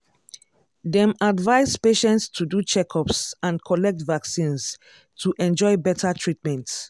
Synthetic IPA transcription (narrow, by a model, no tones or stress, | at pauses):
dɛ̃madvaɪzpeʃɛ̃ntstʰudut͡ʃɛkʰɔpsãnkʰɔlɛk̚tvaksĩns | tʰuʔɛ̃nd͡ʒɔɪbɛtʰatʰɹit̚mɛ̃nt